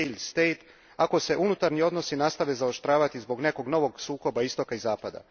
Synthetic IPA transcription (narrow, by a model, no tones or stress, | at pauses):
lst̪e̞jt̪ | ako̞se̞ʔunut̪aɾnio̞d̪no̞sinaːst̪aʋe̞zao̞ʃt̪ɾaːʋat̪izbo̞ɡne̞ko̞ɡno̞ʋo̞ɡsuːko̞baist̪o̞kaizaːpad̪a̰